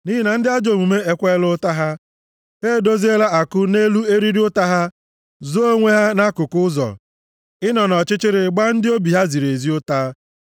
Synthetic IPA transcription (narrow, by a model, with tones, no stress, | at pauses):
ni˦ɦi˦na˨n̩˦dɪ˦a˦d͡ʒo˨mu˨me˦e˦kʷe˦lʊ˦ta˦ɦa˦ | ɦe˦˨do˦zi˦e˦la˦a˨kʊ˦ne˦lu˦e˦ɾi˦ɾi˦ʊ˦ta˦ɦa˦ | zo˦o˦ŋʷe˦ɦa˦na˦kʊ˨kʊ˦zɔ̰˨ | ɪ˦nɔ˨nɔ˨t͡ʃɪ˦t͡ʃɪ˦ɾɪ˨ɡ͡ba˦n̩˦dɪ˦o˦bi˨ɦa˦zi˨ɾe˨zi˦ʊ˦ta˦